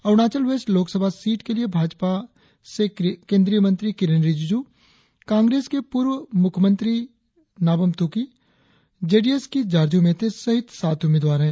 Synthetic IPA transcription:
ɐʋñaːt͡ʃəlʋeːsʈloːksəbʱasiːʈkeliebʱaːd͡ʒpa | sekẽːnd̪ɾijəmə̃nt̪ɾikɪɾenɾid͡ʒd͡ʒuː | kãːŋɡɾeːskepʊːɾwmʊkʰmə̃nt̪ɾi | naːbəmt̪uːki | d͡ʒeːɖieskid͡ʒaːɾd͡ʒũmẽt̪esɐɦɪt̪ʰsaːt̪ʰʊmeːd̪ʋaːɾɦɛ̃ː

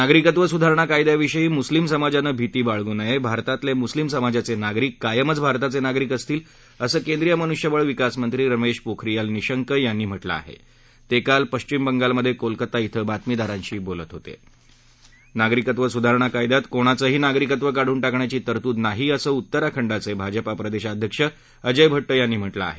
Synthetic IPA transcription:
naɡɾikət̪ʋəsud̪ʱaɾɳ̃akajd̪jaʋiɕəjiːmuslimsəmad͡zanəːbʱit̪iːbaɭɡuːnajebʱaɾt̪at̪lemuslimsəmad͡zat͡senaɡɾikːajəmət͡sbʱaɾt̪at͡senaɡɾikəst̪iːl | əsəːkend̪ɾijəmənuɕjəʋəɭʋikasmənt̪ɾiːɾəmeɕpokʰɾijalniɕəŋkəjanːiːm̤əʈla̰a̰ɦḛ | t̪ekalpəɕt͡ɕimbəŋɡalməd̪ʱːjekolkət̪ait̪ʰəbat̪mid̪aɾãɲt͡ɕiːbolət̪ɦot̪ḛ | naɡɾikət̪ʋəsud̪ʱaɾɳakajd̪at̪koɽ̃at͡səɦiːnaɡɾikət̪ʋəkaɽ̤uːnʈakɳjat͡ɕiːt̪əɾt̪uːd̪naɦiːəsəːut̪ːəɾakʰəɳɖat͡sebʱad͡ʑəpapɾəd̪eɕad̪ʱjəkʂə | əd͡ʑəjbʱəʈːəjanːiːm̤əʈlaa̰ɦe

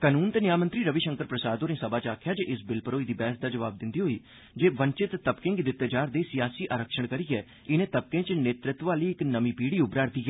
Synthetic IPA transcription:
kaːnuːnt̪eːnɪjaːmənt̪ɾiːɾəʋiʃə̃ŋkəɾpɾəsaːd̪oːɾẽːsəbaːt͡ʃaːkʰjaːd͡ʒeʔɪsbɪlpəɾoːiːd̪iːbɛːəsd̪aːd͡ʒəʋaːb̚d̪ɪnd̪iːɦoːiː | d͡ʒeːʋəɲt͡ʃɪt̪ːəpkɪ̃ŋɡd̪ɪt̪ːeːd͡ʒaːɾd̪eːsɪjaːsiːʔaːɾəkʃəɽ̃kəɾiːɛː | ɪnẽːt̪əp̚kẽːt͡ʃneːt̪ɾɪt̪ʋaːliːɪknəmiːpiːɽiːʊbɾaːɾd̪iːɡɛː

